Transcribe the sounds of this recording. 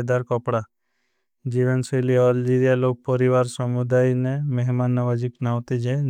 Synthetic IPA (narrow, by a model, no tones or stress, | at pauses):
d̪aɾkɔpɽa | d͡ʒiʋənseliɔld͡ʒiɾijaloɡ̚pɔɾiʋaɾsɔmud̪ajnɛmeɦmanːaʋad͡ʒiknawt̪id͡ʒe